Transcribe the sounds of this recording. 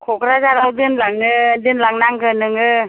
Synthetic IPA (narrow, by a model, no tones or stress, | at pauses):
kʰokɾazaɾawdɯnlaŋɯd̪ɯnlaŋnaŋɡɯnɯŋɯ